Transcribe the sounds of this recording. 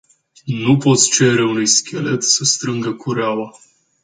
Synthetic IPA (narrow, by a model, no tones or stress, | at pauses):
nupo̞t̪sʲt͡ʃe̞ɾeunujskʲʰe̞le̞t̪səst̪ɾɨŋɡəkʰuɾeawa